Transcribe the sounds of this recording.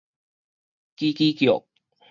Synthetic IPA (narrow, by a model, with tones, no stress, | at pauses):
ki˦kiː˦kjo̰˨˩k̚